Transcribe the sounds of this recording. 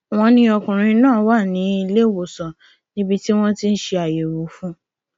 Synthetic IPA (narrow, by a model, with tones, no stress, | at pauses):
w̃ɔ̃˧nĩ˧ɔ˧kũ˨ɾ̃ĩ˧nãː˦˨˦wa˦˨nĩ˨˦i˧le˦˨wo˨sɔ˨ | nĩ˦bi˧ti˦w̃ɔ̃˦ti˧n̩˦ʃe˧a˨je˨ɾo˨˦fũ˦